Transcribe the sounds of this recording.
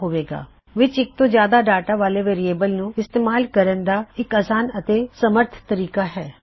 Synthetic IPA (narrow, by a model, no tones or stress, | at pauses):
ɦoːʋeːɡa̰ː | ʋɪt͡ʃɪk̚t̪ozjaːd̪aɖaːʈaʋaːleʋeːɾieːbəlnũɪst̪eːmaːlkəɾənd̪aɪkaːsaːnət̪esəməɾt̪ʰt̪əɾiːkaɦɛː